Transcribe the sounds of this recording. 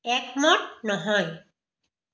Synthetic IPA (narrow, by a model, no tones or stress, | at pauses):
ɛkmɔʈ̚nɔɦɔj